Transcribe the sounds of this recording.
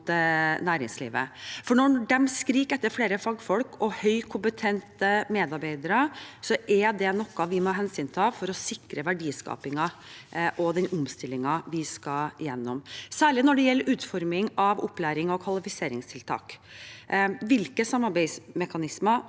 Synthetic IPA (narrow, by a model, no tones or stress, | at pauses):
t̪ənæːɾɪŋslḭːʋə̰fɔɳɔɖɛmskɾiːkɛt̪ːəɾfleːɾəfɑːɡfɔlkɔhœʏkʰʊmpət̪ʰɛnt̪əmeːd̪ɑɾbeɪd̪əɾəsɔʔɛd̪ɛnɔkːɑʋɪmɔɑɦɛnsyːnt̪ʰɑːfɔɾɔsɪkɾəʋæɖiːskɑ̰ːpɪŋɑʔɔd̪ɛnɔmst̪ɪlːɪŋɑʋɪskɑɪjɛnːɔmsæːɭɪnɔɖɛjɛlːəɾʉːt̪fɔɾmɪŋɑʋɔpːlæːɾɪŋɔkʰʋɑlɪfɪseːɾɪŋst̪ʰɪlt̪ʰɑ̰ːk | ʋɪlkəsɑmːɑɾbæɪsmɛkɑnɪsmə